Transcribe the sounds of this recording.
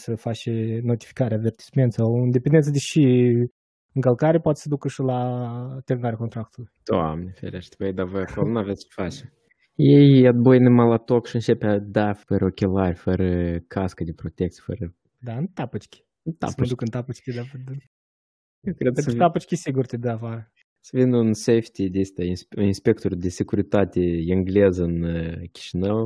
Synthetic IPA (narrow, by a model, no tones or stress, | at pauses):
səfat͡ʃeno̞t̪i̥fi̥kaɾeave̞rt̪i̥sme̞nt̪sawɨnd̪e̞pʲend̪ensəd̪ʲeʃi | ɨŋkəlkaɾepoat̪e̥səd̪ukəʃəlat̪eɾɨŋaɾeakot̪ɾak̚t̪ulujt̪oa̰mnefḛɾeʃt̪ʲved̪avojakolonuavesʲt͡ʃfat͡ʃ | jejad̪̚bojnɨmalat̪okʃiɨnt͡ʃepad̪afəɾəokʲelaɾʲfəɾəkʰaskəd̪ʲepɾot̪ʲek̚t̪sʲje̥fə̰ɾə | d̪aɨnt̪apɨt͡ʃkʲi̥ | ɨnt̪a̰d̪ukɨnt̪apɨt͡ʃkʲid̪avd̪ | jewkɾed̪st̪apɨt͡ʃkʲisiɡurt̪ed̪əafaɾə | səvinunsejft̪ʲid̪ʲest̪ʲaisinspʲe̞k̚t̪oɾʲd̪ʲesʲekuɾit̪at̪ʲeiŋɡlezəɨnkʲi̥ʃinəw